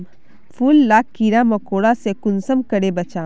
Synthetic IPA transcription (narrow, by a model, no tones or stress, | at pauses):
pʰuːlːaːkːiɾamɐkoːɽasekʊnsəmkəɽebɐt͡ʃaː